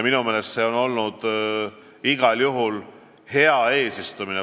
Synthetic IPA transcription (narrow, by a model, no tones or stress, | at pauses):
minumeːle̞st̪se̞o̞no̞lnud̪̥ | iɡ̥ɑljuɦul | he̞ɑe̞ːsist̪umine